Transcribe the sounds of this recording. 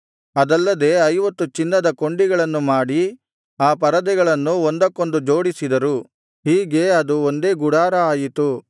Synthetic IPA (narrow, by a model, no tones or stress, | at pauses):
ɐd̪ɐlːɐd̪e̞ːɐjʋɐt̪ːut͡ʃinːɐd̪ɐko̞ɳɖiɡɐɭɐnːumaːɽi | aːpɐɾɐd̪ɛɡɐɭɐnːuond̪ɐkːo̞nd̪ud͡ʒo̞ːɽisid̪ɐɾu | ɦiːɡe̞ɐd̪uond̪e̞ːɡuɽaːɾɐaːjit̪u